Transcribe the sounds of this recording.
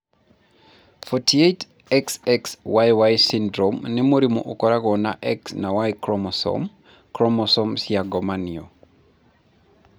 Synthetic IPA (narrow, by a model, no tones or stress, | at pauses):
fɔtiet | ɛksɛkswajwajsindɾɔmnimuɾimoʔokɔɾaɣɔnaʔɛksnawajkɾɔmɔsɔ̰m | kɾɔmɔsɔmsiaɡɔmaniɔ